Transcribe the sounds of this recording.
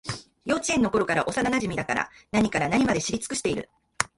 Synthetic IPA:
jo̞ːt͡ɕiẽ̞nːo̞ko̞ɾo̞kaɾaʔo̞sananaʑimʲid̪aka̰ɾa̰naɲ̟ikaɾanaɲ̟imad̪e̞ɕiɾʲit͡sɨ̥kɯ̟ɕi̥t̪e̞iɾɯ̟̰

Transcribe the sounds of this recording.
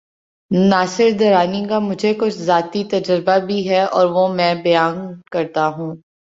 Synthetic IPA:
naːsɪɾd̪ɐɾaːnikamʊd͡ʒʱekʊt͡ʃʰzaːt̪it̪ɐd͡ʒəɾbabʱiɦɛɔːɾʋomɛ̃ːbɐjaːnkɐɾt̪aɦũː

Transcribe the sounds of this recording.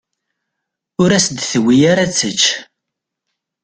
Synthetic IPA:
ʊɾæsd̪θəwijaɾæt͡sːət͡ʃː

